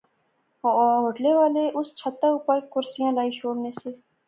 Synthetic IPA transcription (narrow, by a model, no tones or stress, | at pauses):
ɦoːɖleʋaːleʔʊst͡ʃʰət̪ːaʊpaːikʊɾsijãlaːiʃoːɽneːseː